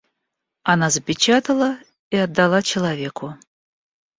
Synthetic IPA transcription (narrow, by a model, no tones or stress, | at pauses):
ɐnazəpʲɪt͡ɕat̪əlˠə | iɐd̪ːɐlˠat͡ɕɪlˠɐvʲekʊ